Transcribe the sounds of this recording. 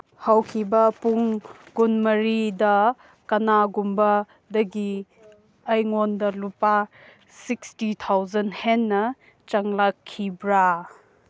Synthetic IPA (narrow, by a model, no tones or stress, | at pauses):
hawkʰibɐpuŋɡunmɐɾidɐ | kɐnaɡumbɐ | dɐɡi | ɐjŋondɐlupa | sikstitʰawzɐnhenːɐ | t͡ʃɐŋlakʰːibɾa